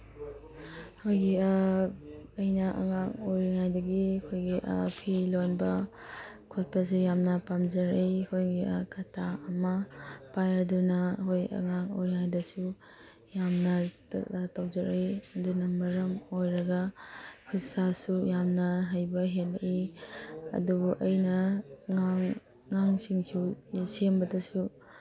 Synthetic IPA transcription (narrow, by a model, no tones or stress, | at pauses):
hojɡi | ɐjnɐʔɐ̰ŋaŋojɾŋajdɐɡiɐkʰojɡiʔpʰilonbɐ | kʰot̚pɐs̬ijamnɐpamd͡ʒɐɾɐjkʰojɡḭkʰatʰaɐmɐpajɾɐdunɐhojɐ̰ŋaŋo̰jɾŋajdɐsu | jamnɐ | tawzɐɾejɐdunɐmɐɾɐmojɾɐɡɐkʰisasujamnɐɦajbɐɦelʔi | ɐ̰dubuʔɐjnɐaŋ | ŋaŋsiŋsusembɐdɐsu